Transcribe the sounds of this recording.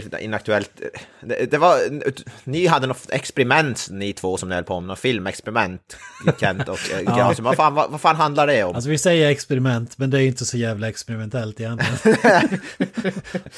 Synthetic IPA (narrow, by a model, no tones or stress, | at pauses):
ɪ̰nak̚t̪ʉɛlt̪d̪ɛd̪ɛvaɾnɪɦad̪ːənɔɛkspɛɾɪmɛnt̪nɪt̪ʰvoːsɔmd̪ɪɛləpʰoːmnɔfɪlmɛkspɛɾɪmɛnt̪jɪkʰɛnt̪ɔkɡɑsmvafaːnva̰vaɾfaːnɦand̪laɖɛɔmals̬ɔvɪsɛjːəɾɛkspɛɾɪmɛnt̪mɛnd̪ɛæɾjɪnt̪əsɔjæːvlaɛkspɛɾɪmɛnt̪ʰɛlt̪ɪhana